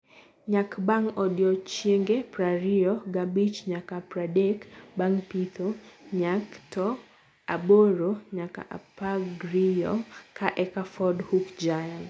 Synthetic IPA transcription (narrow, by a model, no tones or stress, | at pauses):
ɲakbaŋɔdiɔt͡ʃeŋɡepɾaɾiɔɡabit͡ʃɲakapɾadɛkbaŋpit̪ʰɔɲaktɔ | abɔɾoɲaka̰ʔa̰paɡɾiɔ̰kʰaʔɛkafɔdhukd͡ʒajan